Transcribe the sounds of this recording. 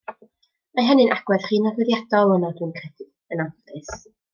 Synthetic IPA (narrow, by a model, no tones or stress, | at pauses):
majɦɛnɨnʔaɡ̥wɛð̥χiːnavɛðjad̥ɔlˠənadwɨːnkʰrɛdɪ | ənavdɨs